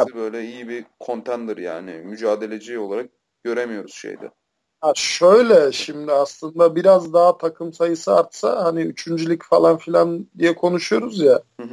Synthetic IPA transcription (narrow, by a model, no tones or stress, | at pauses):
bø̞jlʲɛijibikʰo̞nt̪ʰænd̪iɾja̰ːnḭmyd͡ʒaːd̪e̞lʲe̞d͡ʒio̞lˠaɾak̚ | ɟ̥ø̞ɾemijo̞ɾuz̥ʃḛjd̪ɛ̰ | haʃø̞jlʲɛʃimd̪iaslˠɯnd̪abiɾazd̪aɦat̪ʰakʰɯmsajɯsɯaɾt̪sa̰haniyt͡ʃʰynd͡ʒylʲicfalˠanfilʲand̪ijɛkʰo̞nuʃujo̞ɾuzja